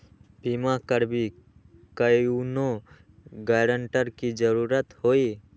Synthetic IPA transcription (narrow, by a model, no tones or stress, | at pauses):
bimakəɾbi | kəjuno | ɡaːɾəɳʈəɾkid͡ʒəɾuːɾət̪hoːi